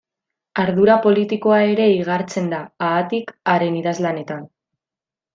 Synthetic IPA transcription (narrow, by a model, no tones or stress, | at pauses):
aɾðuɾapo̞lit̪iko̞ae̞ɾe̞iɣaɾt͡se̞nd̪aaːt̪ikaɾe̞niðazlane̞t̪an